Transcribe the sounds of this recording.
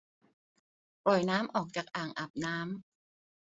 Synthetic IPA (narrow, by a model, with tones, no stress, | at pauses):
pɔ˨˩jnaː˦˥mʔɔː˨˩k̚t͡ɕaː˨˩k̚ʔaː˨˩ŋʔa˨˩p̚naː˦˥m